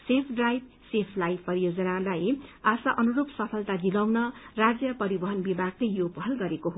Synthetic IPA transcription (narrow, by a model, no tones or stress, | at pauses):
sepʰɖrajb̚ | sepʰlajpʌɾijod͡zʌnalajasaʔʌnuɾopsʌpʰʌlt̪ad͡zilawnʌrad͡zjʌpʌɾibʌɦʌnbibʱaɡlejjopʌɦʌlɡʌɾekoɦo